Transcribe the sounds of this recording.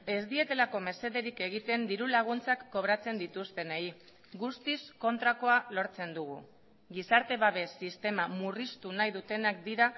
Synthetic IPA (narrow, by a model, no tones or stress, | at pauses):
e̞zd̪ie̞t̪e̞lako̞me̞se̞ðe̞ɾike̞ɣ̞it̪e̞nd̪iɾulaɣ̞unt͡sakːo̞βɾat͡se̞nd̪it̪ust̪e̞nei | ɡust̪isko̞nt̪ɾako̞alo̞ɾt͡se̞nd̪uɣ̞ṵ | ɣisaɾt̪e̞βaβe̞sːist̪e̞mamurist̪unajðut̪e̞nakd̪iɾa